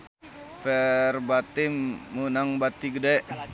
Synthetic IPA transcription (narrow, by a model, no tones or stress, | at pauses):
fɛrbat̪imːunaŋbat̪iɡədaʔ